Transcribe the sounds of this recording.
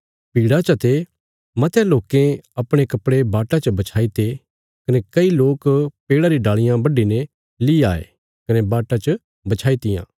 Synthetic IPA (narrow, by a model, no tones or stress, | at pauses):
piːɽat͡ʃɐt̪e | mɐt̪ʰjaloːkẽɐpɽ̃ekɐpɽebaːʈat͡ʃəbɐt͡ʃʰaːit̪e | kɐnekɐiloːkpeːɽaɾiɖaːɭɪjãbɐɖine | liaːḛ | kɐnebaːʈat͡ʃə | bɐt͡ʃʰaːit̪ɪjã̰ː